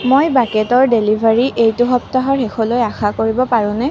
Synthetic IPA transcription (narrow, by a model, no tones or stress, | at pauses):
mojbakɛtɔɹdelibʱaɹiʔejtʊɦɔptaɦɔɹxexʰɔlojaxakoɹibɔpaɹʊ̃nɛ